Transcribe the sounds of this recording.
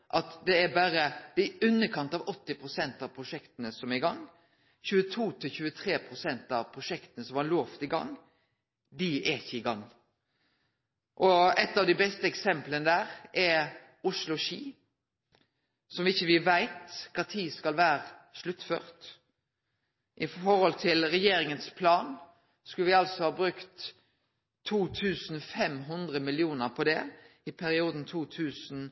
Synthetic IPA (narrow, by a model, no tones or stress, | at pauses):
ʔɑt̪d̪ɛæbæːɾəd̪̥ɛɛʉnːəkʰɑnt̪ɑʋɔt̪ːɪpʰʁʊsɛnt̪ɑʋpʰɾʊʂɛkt̪ənəsɔmæɪɡɑŋː | çʉːət̪ʰuːt̪ʰɪlçʉːət̪ʰɾeːpʰɾʊsɛnt̪ɑʋpʰɾʊʂɛkt̪ənəsɔmhɑloːft̪ɪɡɑ̰ŋ | d̪ɪæɪçːəɪɡɑŋː | ʔɔɛt̪ːɑʋd̪ɪbɛst̪əɛksɛmplənəd̪æːɾɛɾ | ʊʂlʊʃiː | sɔmʋɪɪçːəʋɪʋæɪt̪kʰɑt̪ʰiːskɑlʋæːʁəʃlʉt̪ːfø̰ːʁt̪ | ʔɪɔɾhɔlt̪ʰɪlɾɛjeːɾɪŋənspʰlɑːn | skʉləʋɪɑlsɔhɑːbɾʉkt̪ʰ | uːt̪ʰʉːsn̩fɛmɦʉnd̪ʁəmɪlɪuːnəɾpʰɔd̪ɛ | ɪpʰæɾɪuːd̪n̩t̪ʰuːt̪ʰʉːsn̩